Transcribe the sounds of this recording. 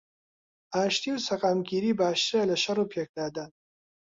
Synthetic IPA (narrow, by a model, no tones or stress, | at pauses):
aːʃt̪iːwsɐqaːmɡʲiːɾiːbaːʃt̪elɐʃɐrupʰek̚d̪aːd̪ɐn